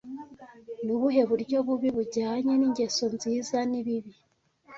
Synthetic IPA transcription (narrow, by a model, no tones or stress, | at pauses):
nuβuɦe̞βuɾɟo̞βuβiβuɟaːɲeniɲɟe̞sonziːzaniβiβi